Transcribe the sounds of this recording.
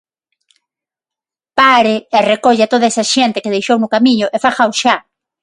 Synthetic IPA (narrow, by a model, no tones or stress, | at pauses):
paɾɪerekoʎɪat̪oðaesaʃent̪ɪkeð̞ejʃownʊkamĩɲʊʔefaxaoʃa